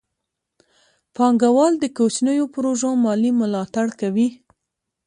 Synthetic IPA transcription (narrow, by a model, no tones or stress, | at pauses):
pɑŋɡawɑld̪əkot͡ʃnəjopɾoʒomɑlimʊlɑt̪aɽkawi